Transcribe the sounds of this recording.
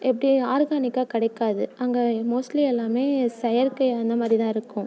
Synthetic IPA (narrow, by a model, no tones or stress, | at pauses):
ʔɛp̬ːɐɽiaːɾɣaːnɪkːaːkɪɽɐɪkːaːðɯɐŋɡemoːsliɛlːaːmeːsɛjɐɾkɐɪɐnd̪ɐmaːd̪ɾiɪt̪ãːɪɾɯkːʊ̃